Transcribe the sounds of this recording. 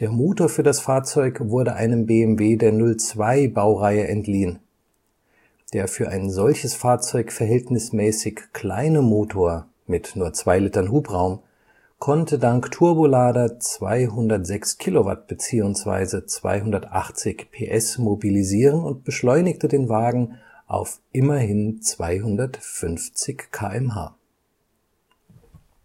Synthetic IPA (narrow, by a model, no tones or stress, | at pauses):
d̥eːɐmoːtoːɐfyːɐdasfaːɐt͡sɔʏkvʊɐdəʔaɪnəmbeːɛmveːdeːɐnʊlt͡sv̥aɪbaʊʁaɪəʔɛntliːən | d̥eːɐfyːɐʔaɪnzɔlçəsfaːɐt͡sɔʏkfɛɐɦɛltnɪsmɛːsɪçkʰl̥a̰ɪnəmoːtʰoːɐ | mɪtnuːɐt͡sv̥aɪlɪtɐnɦuːpʁaʊm | kʰɔntədaŋktʰʊɐbolaːdɐt͡sv̥a̰ɪɦʊndɐtz̥ɛkskʰilova̰t̚b̥ət͡siːʊŋsv̥a̰ɪzət͡sv̥a̰ɪɦʊndɐtʔa̰χt͡sɪçpʰḛːʔɛsmobiliziːʁənʊnt̚b̥əʃlɔʏnɪçtədeːnvaːɡŋ̩ | ʔa̰ʊfʔɪmɐhɪnt͡sv̥a̰ɪhʊndɐtfʏnft͡sɪçkʰːa̰ːʔɛmɦa̰ː